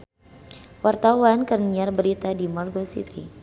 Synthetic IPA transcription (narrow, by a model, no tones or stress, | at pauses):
wart̪awankərniarbəɾit̪adimɔrɡɔsḭt̪ḭ